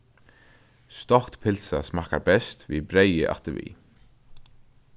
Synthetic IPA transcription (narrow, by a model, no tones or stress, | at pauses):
st̪ɔhkt̪pʰɪlsasmahkaɾbɛst̪vibɾejɪʔa̰ht̪ɪvḭ